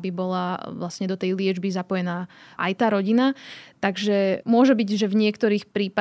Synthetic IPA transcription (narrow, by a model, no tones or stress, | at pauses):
bibɔlaʋlasɲɛd̪ɔt̪ɛjlɪɛd͡ʒbizapɔjɛnaːʔa̰jt̪aːɾɔɟinat̪aɡʒɛmʊɔʒɛbiɟʒɛvɲɪɛkt̪ɔɾiːxpɾiːpa